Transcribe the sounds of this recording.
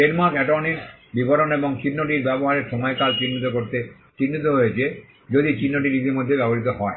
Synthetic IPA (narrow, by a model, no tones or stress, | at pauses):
eɾmakɛʈɔniɾbibʱɔɾɔnebɔŋt͡ʃinːoʈiɾbɛbɔɦaɾeɾʃɔmɔjkalt͡ʃinːit̪okoɾt̪e | t͡ʃinːit̪oɦojet͡ʃʰe | d͡ʒod̪it͡ɕinːoʈiɾit̪̬imod̪ʱːebɛbɔɾit̪ɔɦɔe